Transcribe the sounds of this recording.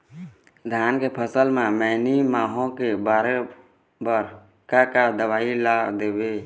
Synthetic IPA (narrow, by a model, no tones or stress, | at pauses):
d̪ʱjaːnkepʰəsəlmẽmɛːnimaːɦõkebaːɾe | bəɾ | kakad̪əwaːilad̪eːbeː